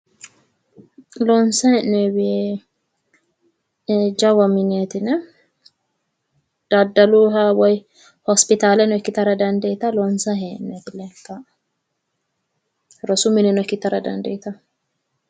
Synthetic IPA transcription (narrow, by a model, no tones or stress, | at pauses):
lɔnsɐhɛnːɛbɪje | ed͡ʒɐwɐmɪneːt̪ɪnɛ | d̪̥ɐd̪ːɐluːɦɐwɔj | hɔspɪt̪aːlɛnɔɪkːɪt̪ɐɾɐd̪ɐnd̪ɐjɪt̪ɐlɔnsɐɦeːʔnːɛt̪ɪlɛkːɐ | ɾɔsʊmɪnɛnɔkːɪt̪ɐɾɐd̪ɐ̰nd̪ɐjɪt̪ɐ